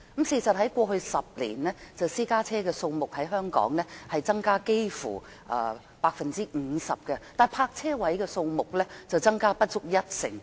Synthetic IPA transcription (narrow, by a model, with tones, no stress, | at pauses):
msiː˨sɐ˨t̚ɦɐ˨˥jkʷɔː˧ɦɵ˧ɥsɐ˨p̚lḭː˨˩nlɛː˥t͡sɐ˨wsiː˥kaː˥t͡sʰɛː˥kɛː˧so˧wmʊ˨k̚hɐ˨˥jɦœː˥ŋkɔ̰ː˨˥ŋlɛː˥hɐ˨jt͡sɐ˥ŋkaː˥ke˥jfṵː˨˩ | ʔɐ̰ː˨˧ | paː˧k̚fɐ˨nt͡siː˥˨˧sɐ̰˨p̚kɛ˧t̪aː˨˩jpʰaː˧k̚t͡sʰɛː˥wɐ˨˦˥jkɛː˧so˧wmʊ˨k̚lɛː˥t͡sɐ˨wt͡sɐ˥ŋkaː˥pɐ˥t̚t͡sʊ˥k̚jɐ˥t̚sɪ̰˨˩ŋ